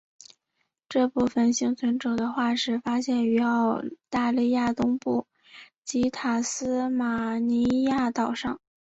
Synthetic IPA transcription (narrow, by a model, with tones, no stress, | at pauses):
ʈ͡ʂɤ˥˧pu˥˩fə˨˩nɕi˥ŋt͡sʰwə˧˥nʈ͡ʂo˨˩ʊd̪ə˦xwa˥˩ʂɻ̩˧˥fa˥ɕjɛ˥˩ny˧˥ɑ˥˧ʊt̪a˥˧li˥˧ja˥˩t̪ʊ˥ŋpu˥˩ | t͡ɕi˧˥t̪ʰa˨˩sɹ̩˥ma˨˩ni˧˥ja˥˩t̪ɑ˨˩ʊʂɑ˥˩ŋ